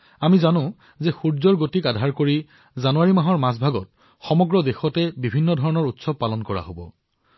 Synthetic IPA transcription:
amizanʊ̃ | zexuɹzɔɹɡotikadʱaɹkoɹi | zanuwaɹimaɦɔɹmasbʱaɡɔt̚ | xɔmɔɡɹɔdexɔtɛbibʱinːɔdʱɔɹɔnɔɹutsɔb̚pːalɔnkɔɹa̰ɦobɔ

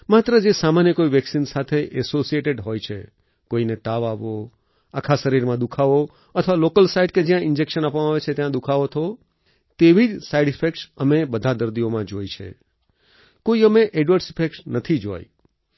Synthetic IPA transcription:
mat̪ɾəd͡ʒesamanjəkoiʋɛksinsat̪ʰeʔɛsosieʈeɖɦojt͡ʃʰe | koinet̪aʋaʋo | akʰasəɾiɾmãd̪ukʰaʋo | ət̪ʰəʋalokəlsaiɖked͡ʒjãɪnd͡ʒekʃənapʋəmãʋet͡ʃʰet̪jãd̪ukʰaʋot̪ʰo | t̪eʋid͡ʒsaiɖɪfʰekʈsəmebəd̪ʱad̪əɾd̪iomãd͡ʒojt͡ʃʰḛ | koiəmeʔɛɖʋəɾsɪfʰekʈnət̪ʰid͡ʒo̰j

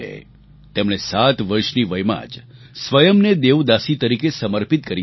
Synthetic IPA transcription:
ḛ | t̪emɽ̃esat̪ʋəɾʃniʋəjma̰d͡ʒ | sʋəjəmned̪eʋd̪asit̪əɾikesəməɾpit̪kəɾi

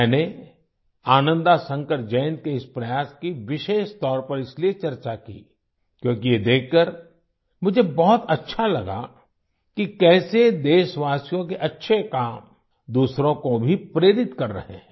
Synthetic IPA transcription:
ɛːne | aːnə̃nd̪asə̃ŋkəʈd͡ʒɛːnkeɪspɾɐjaːskiʋɪʃeːʃt̪ɔːɾpɐɾɪsliet͡ʃɐɾt͡ʃakḭː | kjõːkijed̪eːkːəɾ | mʊd͡ʒʱebɔɦʊt̪ɐtːʃʰalɐɡa̰ | kikɛːsed̪eːʃʋaːsijõkeʔɐtːʃʰekaːm | d̪uːsɾõkobʱipɾeːɾɪt̪kɐɾːɐ̰ɦḛ̃

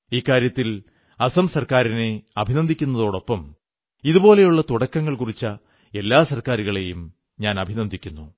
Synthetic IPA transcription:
iːkːaːɾjɐt̪ːil | ɐsɐmsɐrkaːɾine̞ɐbʱinɐnd̪ʱikʲːunːɐðo̞ːɽo̞pːɐm | iðubo̞ːle̞juɭːɐt̪uɽɐkːɐŋːɐɭkurit͡ɕːɐ | e̞lːaːsɐrkaːɾuɣɐɭe̞jum | ɲaːnɐbʱinɐnd̪ʱikʲːunːu

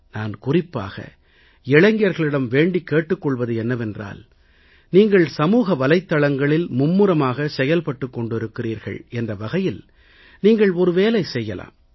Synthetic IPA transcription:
naːnkʊrɪpːa̰ːɣɐ̰ | ɛɭɐŋɡɪjɐɾɣɐɭɪɽɐmʋeːɳɖikːeːʈːɯkːɔɭʋɐðɯɛnːɐʋɛndra̰ːl | niːŋɡɐɭsɐmuːɣɐʋɐlɐɪt̪ːɐɭɐŋɡɐɭɪlmʊmːɯɾɐmaːɣɐsɛjɐlpɐʈːɯkːɔɳɖɪɾɯkːɪriːɾɣɐ̰ɭɛndrɐʋɐɣɐjɪl | niːŋɡɐɭɔɾɯʋeːlɐɪsɛjːɐla̰ːm

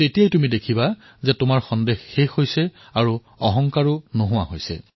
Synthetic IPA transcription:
tetijajtumidekʰiba | zɛtʊmaɹxɔndexːexhojsɛ | aɹu | ɔɦɔŋkaɹʊnoɦʊwa̰ɦojsɛ̰

